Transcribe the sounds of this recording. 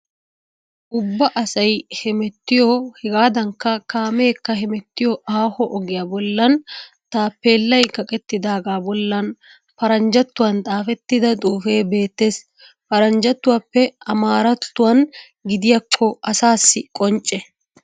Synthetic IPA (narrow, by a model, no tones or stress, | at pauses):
ʔʊbːɐʔɐsɐjhɛmɛt̪ːɪjɔhɛɡaːd̪ɐŋkːɐkaːmeːkːɐɦɛmɛt̪ːɪjɔaːhɔʔɔɡɪjaːbɔlːɐn | t̪aːpːeːlːɐjkɐkʼɛt̪ːɪd̪aːɡaːbɔlːɐn | pɐɾɐnd͡ʒɐt̪ːʊwɐnt̪ʼaːfɛt̪ːɪd̪ɐt̪ʼuːfe̞ːbe̞ːt̪ːe̞ːs | pɐɾɐnd͡ʒɐt̪ːʊwaːpːɛɐmaːɾɐt̪ːʊwɐn | ɡɪd̪ɪjɐkʰːɔʔɐsaːsːɪkʼɔnt͡ʃʼːɛ